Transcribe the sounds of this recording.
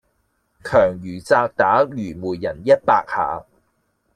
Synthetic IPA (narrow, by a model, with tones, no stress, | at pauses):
kʰœː˨˩ŋjyː˨˩t͡saː˧k̚t̪aː˨˥jyː˨˩muː˨˩jːɐ˨˩njɐ˥t̚paː˧k̚ha̰ː˨˧